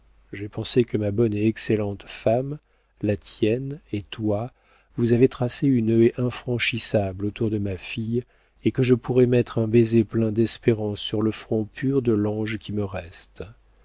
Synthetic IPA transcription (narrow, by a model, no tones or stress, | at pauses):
ʒepɑ̃sekəmabɔneɛkselɑ̃t̪fam | lat̪jɛnet̪wa | vuzavet̪χaseynøʔɛ̃fχɑ̃ʃisablot̪uʁd̪əmafij | ekəʒəpuʁɛmɛt̪χɛ̃bezeplɛ̃d̪ɛspeʁɑ̃sːyʁləfχɔ̃pʰyʁd̪əlɑ̃ʒkʲiməʁɛst̪